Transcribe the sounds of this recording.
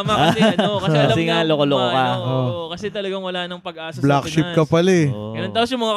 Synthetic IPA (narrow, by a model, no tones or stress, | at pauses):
maaɐɐkɐsɛŋalokolokokaokɐsɛt̪ɐlɐɡaŋwɐlaːnɐŋpɐɡɐaːsɐblakʃɪp̚kɐpɐlɛɡɐnont̪aos̬jʊŋmɐŋa